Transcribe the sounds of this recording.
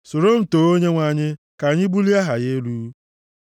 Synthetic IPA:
so˨ɾo˦m̩˨toː˨o˦ɲe˦ŋʷa˨ɲɪ˦ | ka˨ɲɪ˦bu˦li˦a˦ɦa˨je˦lu˦

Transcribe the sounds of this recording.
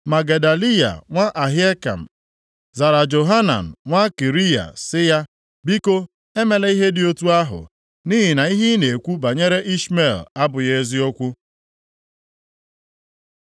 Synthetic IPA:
ma˨ɡe˨da˨li˦ja̰˨ŋʷa˦ʔa˨ɦi˦e˦ka̰˨m̩˨ | za˨ɾa˨d͡ʒo˨ɦa˦na̰˨n̩˨ŋʷa˦ki˨ɾi˦ja̰˨sɪ˦ja˦ | bi˦ko˦ | e˦me˨le˦i˦ɦe˦dɪ˨o˦tu˦a˦ɦʊ̰˨ | niː˦ɦi˨na˨i˦ɦi˦ne˨kʷu˦ba˨ɲe˦ɾe˦ʔi˦sme˦˨la˦bʊ˨je˦zi˦o˦kʷu˦

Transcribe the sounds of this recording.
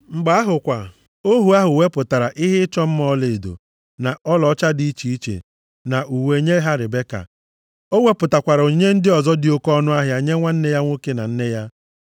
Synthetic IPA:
ŋ͡m̩˨ɡ͡ba˨a˦ɦʊ˨kʷa˨ | o˦ɦu˨a˦ɦʊ˨we˦pʊ˨ta˨ɾa˨ʔɪ˦ɦɪ˦ɪ˦t͡ʃɔ˦m̩˦mɔ˦le˨do̰˨ | na˨ɔ˦lɔ˨˦t͡ʃa˦di˦i˦t͡ʃi˨i˦t͡ʃḛ˨ | na˨ʔu˨we˨ɲe˦ɦa˦ɾɪ˨be˦ka̰˨ | o˦we˦pʊ˨ta˨kʷa˨ɾo˨ɲe˦n̩˦dɪ˦ɔ˨zɔ˦dɪ˨o˦kɔ˦nʊ˦a˦ɦja˨ɲe˦ŋʷa˦n̩˦ne˦ja˦ŋʷo˦ke˦na˨n̩˦ne˦ja˦

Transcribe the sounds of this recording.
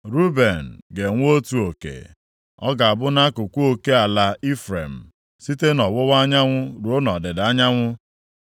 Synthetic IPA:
ɾu˦be˨n̩˨ɡe˨ŋʷ˦o˦tu˨o˨kḛ˨ | ɔ˦ɡa˨a˨bʊ˦na˦kʊ˨kʷu˦o˦ke˦a˨la˨i˦fɾḛ˨m̩˨ | si˦te˦nɔ˨wʊ˦wa˦ɲa˦ŋʷʊ˦ɾu˨o˦nɔ˨dɪ˨da˦ɲa˦ŋʷʊ˦

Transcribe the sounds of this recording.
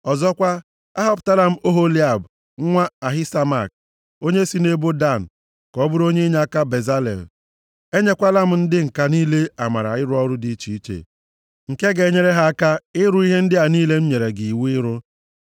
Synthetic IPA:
ɔ˨zɔ˦kʷa˦ | a̰˦ɦɔ˦pta˦la˦m̩˦o˦ɦo˦li˦a˦˨b̩˨˦ | ŋʷa˦a˨ɦɪ˦sa˦ma˦˨k̚ | o˦ɲe˦si˦ne˦bo˦da˦˨n̩˨ | kɔ˦bʊ˦ɾo˦ɲe˦ɲa˦a˦ka˦be˨za˦lḛ˨l | e˦ɲe˦kʷa˦la˦m̩˦n̩˦dɪ˦ŋ̩˨ka˦niː˦le˦a˨ma˨ɾa̰˨ɪ˦ɾʊ˦ɔ˦ɾʊ˦di˦t͡ʃi˨˦i˦t͡ʃḛ˨ | ŋ̩˨ke˦ɡe˨ɲe˦ɾe˦ɦa˦a˦ka˦ɪ˦ɾʊ˦i˦ɦe˦n̩˦dɪ˦a˨niː˦le˦m̩˦ɲe˨ɾe˨ɡi˨i˨wu˦ɪ˦ɾʊ˦

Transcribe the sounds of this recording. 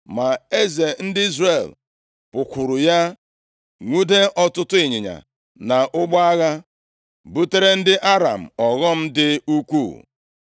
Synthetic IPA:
ma˨e˦ze˨n̩˦dɪ˦i˦zre˨l | pʊ˨kʷʊ˨ɾʊ˨ja˦ | ŋʷu˦de˦ʔɔ˦tʊ˦tʊ˦i˨ɲɪ˨ɲa̰˨ | na˨ʔʊ˦ɡ͡ba˦a˦ɣa˦ | bu˦te˦ɾe˦n̩˦dɪ˦ʔa˦ɾa̰˨m̩˨ɔ˨ɣɔ˦m̩˦dɪ˦u˦kʷṵ˦˨

